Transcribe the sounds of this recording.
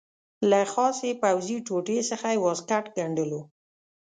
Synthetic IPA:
laxɑsepawziʈoʈesəxajwɑskaʈɡaɳɖəlo

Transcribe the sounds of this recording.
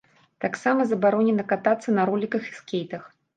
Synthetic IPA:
t̪aksamɐzɐbaɾɔnʲɛnɐkat̪at̪sːɐnɐɾɔlʲikɐxiskʲejt̪ɐx

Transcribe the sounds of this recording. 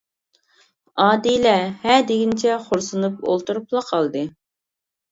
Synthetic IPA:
ɑːd̪ilɛhɛd̪eɡʲint͡ʃʰɛχoɾsunupo̰lˠt̪uɾuplˠɑqʰɑlˠd̪ɨ

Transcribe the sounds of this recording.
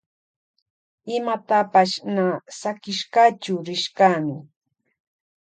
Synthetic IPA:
ɪmat̪apaʃnasakɪʃkaːt͡ʃʊɾɪʃkaːmɪ

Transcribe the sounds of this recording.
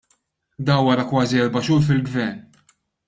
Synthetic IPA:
d̪ɐːnwɐɾɐkwɐːziɛɾbɐʃuːɾfɪlɡvɛɾn

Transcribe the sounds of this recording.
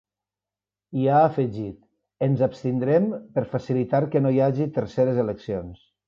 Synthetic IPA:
iaəfəʒit̪ | ənzapst̪ind̪ɾɛmpəɾfasilit̪aɾkənojaʒit̪əɾseɾezeləksions

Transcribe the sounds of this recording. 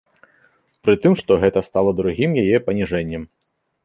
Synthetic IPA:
pɾɨt̪ɨmʂt̪ɔɣɛt̪ɐst̪alˠɐd̪ɾuɣʲimjajɛpɐnʲiʐɛnʲːɛm

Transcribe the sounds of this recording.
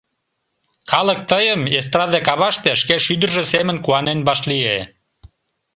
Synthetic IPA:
kɑlək̚t̪əjəmes̬t̪ɾɑðekɑβɑʃt̪eʃkeʃyd̪ərʒə̆semə̆nkuɑnenbɑʃlie

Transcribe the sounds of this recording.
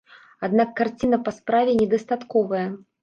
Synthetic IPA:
ad̪nakːart͡sʲinɐpɐspɾavʲɛnʲɛd̪ɐst̪at̪kɔvɐjɐ

